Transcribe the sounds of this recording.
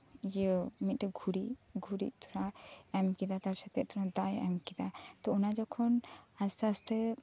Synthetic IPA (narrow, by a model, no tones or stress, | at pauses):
jəmit̪̚ɾɛɡʱuɾiɡʱuɾḭʔ̚t̪ʰuɾaɛmkid̪at̪aɾsat̪ɛʔ̚t̪ʰuɾad̪ajɛ̰mkid̪at̪ɔunad͡ʒɔkʰɔnast̪ʰɛast̪ɛ